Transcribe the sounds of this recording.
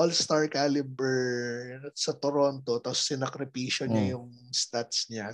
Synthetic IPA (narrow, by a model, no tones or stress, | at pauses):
olst̪aɹkalɪbɛɹ | sɐt̪oɾont̪ot̪ɐsːɪnɐkɾɪpiːʃoɲɐjʊŋ | st̪at̪sɲa